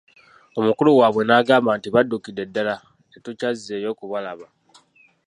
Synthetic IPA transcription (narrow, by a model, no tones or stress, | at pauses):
omukuluwaːβwe̞naɡaːmbaːntiβadːukide̞dːala | etucaze̞ːjo̞ːkuβalaβa